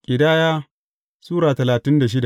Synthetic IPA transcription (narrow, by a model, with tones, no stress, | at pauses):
kʲʼɪ˨daː˦jaː˦ | suː˦ɾaː˨tɐ˨laː˨tɪ˦nda˨ʃ̬ɪ˦da˨